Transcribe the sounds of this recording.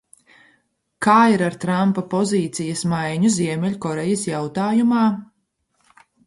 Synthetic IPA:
kaːiɾaɾt̪ɾampapɔziːt̪sijɐsmajɲuziɛmʲɛlʲkɔɾɛjɐsjawt̪aːjumaː

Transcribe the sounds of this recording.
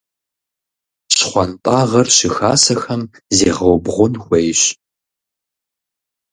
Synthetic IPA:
ɕχʷɑntʼɑːʁɐrɕɪxa̰ːsɐxɐm | zeːʁɐwbʁʷʊnxʷejɕ

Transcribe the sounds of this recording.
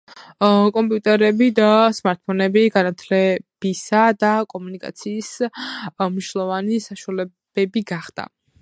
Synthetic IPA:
kʼɔmpʼiut̪ʼɛɾɛbid̪asmaɾt̪̚pʰɔnɛbiɡanat̪ʰlɛb̥isad̪akʼɔmunikʼa̰t̪sʰiːs | mniʃlˠɔvanisaʃualɛ | b̥ɛbiɡaχd̪̥a̰

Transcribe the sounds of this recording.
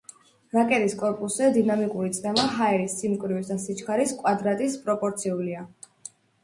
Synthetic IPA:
ɾakʼɛt̪ʼiskʼɔɾpʼusɛd̪inamikʼuɾit̪sʼnɛmaɦaɛɾisːimkʼvɾivisd̪asit͡ʃkʰaɾiskʼwad̪ɾat̪ʼispʼɾɔpʼɔɾt̪sʰiulia

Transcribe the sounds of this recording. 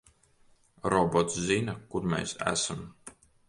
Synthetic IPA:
ɾɔbɔt̪szinakuɾmʲḛːsæ̰sam

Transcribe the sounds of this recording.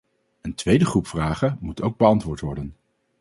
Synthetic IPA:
əntʋejdəχrupfraːχəmutowɡ̚bəɑntʋʊːɹtʋɔɹdən

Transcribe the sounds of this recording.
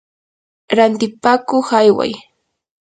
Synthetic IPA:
ɾant̪ɪpaːkoχajwa̰j

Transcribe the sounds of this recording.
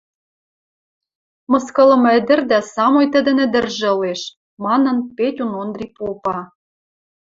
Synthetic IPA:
mɤ̆skɤ̆lɤ̆mɘ̆d̪ɘ̆rd̪æsɑmojt̪ə̆d̪ɘ̆nɘ̆d̪ɘ̆rʒĕɤ̆leʃ | mɑnɤ̆npetʲunond̪ripopɑ

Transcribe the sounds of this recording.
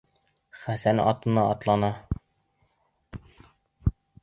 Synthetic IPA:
χæsænɒ̰t̪ɤ̆nɑɒt̪lˠɑnɑ

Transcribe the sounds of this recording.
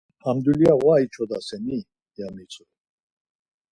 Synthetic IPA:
hamd̪uliaɣwait͡ʃʰɔd̪asɛni | djamit͡sʰʼɔ

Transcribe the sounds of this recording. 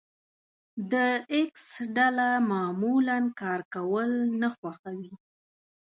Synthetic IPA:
d̪əɪksɖalamɑmulankɑɾkawəlnaxwaxawi

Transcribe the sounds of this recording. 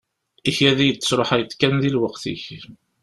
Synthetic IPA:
içæðijət͡sːəsɾˤoħæjət̪kænðilwəqθḭç

